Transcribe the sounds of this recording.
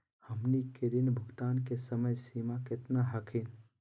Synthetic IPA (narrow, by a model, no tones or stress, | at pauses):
həmnikeɾinbʱʊɡt̪aːnkesəməjsiːmaket̪naɦakʰin